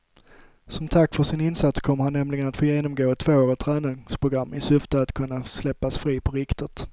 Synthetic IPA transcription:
sɔmt̪ʰakːfœʂɪnɪnsat̪skʰɔmːəɾhanːɛmlɪɡənat̪foːjeːnɔmɡoːɛt̪ʰːvoːoːɾət̪ʰɾæːnɪŋspʰɾʊɡɾamːɪsʏft̪əat̪kʰɵnːaslɛpːasfɾiːpʰɔɾɪkt̪ət̪

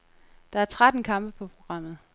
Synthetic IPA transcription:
d̥ɑ̈æɐt͡sʰʁad̥n̩kʰɑ̈mb̥əpʰɒ̽pʰʁo̝ɡ̥ʁɑ̈m̰ð̞̩ˠ

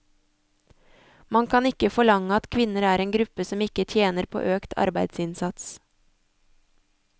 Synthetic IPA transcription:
mɑŋkʰɑnɪkəfɔɭɑŋəɑt̪kʰʋɪnəɾæːɾeːnɡɾʉpəsɔmɪkət̪ʰjeːnəɾpʰo̰ːʔøːkt̪ʰɑ̰ɾbæɪd̪sɪnsɑt̪s

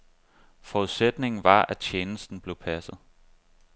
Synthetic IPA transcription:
fɒuðˠsed̥ne̝ŋn̩ʋɑ̈æ̥t͡ɕʰjeːnsd̥n̩b̥le̝ʊpʰæsð̞̩ˠ

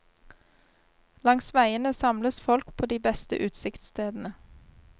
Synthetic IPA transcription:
lɑŋsʋæɪənəsɑmləsfɔlkpʰoːd̪iːbɛst̪ə̰ʔʉːt̪sɪkt̪st̪ʰeːd̪n̩ə

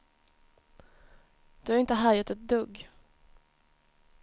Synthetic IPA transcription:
d̪̥ɵhɑɾɪnt̪əɦæːɾjat̪ɛt̪̚d̪ɵɡ

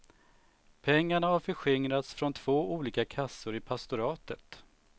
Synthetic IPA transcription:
pʰɛŋːaɳahaɾfœɧɪŋɾat̪sfɾɔnt̪ʰv̥oːʔuːliːkakʰasːʊɾɪpʰast̪ʊɾɑːt̪ət̪

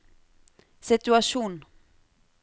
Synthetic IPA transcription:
sɪt̪ʉaʂuːn

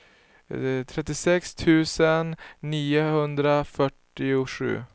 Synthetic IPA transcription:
t̪ʰɾɛt̪ːɪsɛkst̪ʰʉ̟ːsənːiːʊhɵnd̪ɾafœʈːɪʊɧʉ̰ː

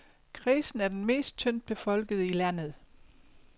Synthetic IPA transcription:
kʰʁiːsn̩æɐd̥enme̝̰ːsd̥̚t͡sʰøn̰d̥̚b̥e̝fɒ̽l̰ɡ̥əð̞ˠəilæn̰ð̩ˠ

